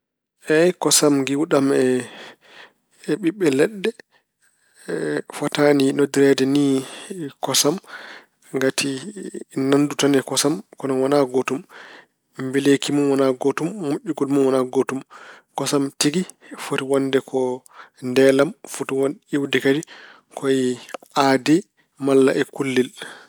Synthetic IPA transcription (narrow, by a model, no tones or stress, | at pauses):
ʔɛjkɔsamɡiwɗamɛ | ɓiɓːɛlɛɗːɛ | fataninodiɾɛdɛni | kɔsam | ŋɡatʰi | nanːdutanɛkɔsamkɔnɔwanaɡotum | mbilekimunwanaɡotumːoʔːuɡɔlmunwanaɡotumkɔsamtiɡifotiwandɛkʰɔndɛlamfutuwaniwdikadi | kʰɔjiadi | malːa̰ʔɛkulːil